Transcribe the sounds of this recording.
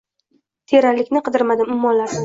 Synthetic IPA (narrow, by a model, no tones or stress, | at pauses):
t̪ʰe̞ɾaɾlɪkʲnɪqʰɨd̪ɪɾmad̪ɪmʊmːɒnlaɾsɪ